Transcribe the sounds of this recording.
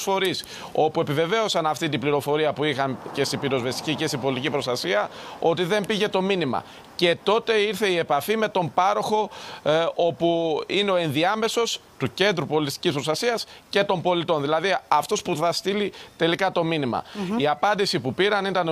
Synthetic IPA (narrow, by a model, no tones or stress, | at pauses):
fo̞ɾis | o̞pue̞pive̞ve̞o̞sɐnɐft̪it̪ibliɾo̞fo̞ɾiɐpuixɐnce̞st̪ibiɾo̞zve̞st̪i̥cice̞st̪ibo̞lit̪icipɾo̞st̪ɐsiɐo̞t̪iðe̞mbiʝe̞t̪o̞minimɐ̰ | ce̞t̪o̞t̪e̞iɾθe̞ie̞pɐfime̞t̪o̞mpɐɾo̞xo̞ | o̞puine̞o̞e̞nðiɐme̞so̞st̪uce̞nd̪ɾupo̞list̪i̥cispɾo̞st̪ɐsiɐsce̞t̪o̞mbo̞lit̪o̞nðilɐðiɐft̪o̞spuθɐst̪ilit̪e̞likɐt̪o̞minimɐ̰iɐpɐnd̪isipupiɾɐnit̪ɐn